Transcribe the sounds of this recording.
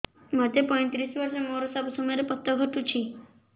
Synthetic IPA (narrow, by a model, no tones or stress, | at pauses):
mat̪epɔj̃t̪ɾisʋɔɾʃɔmoɾosabusɔmjɾepɔt̪ːɔɡʱɔʈut͡ʃʰi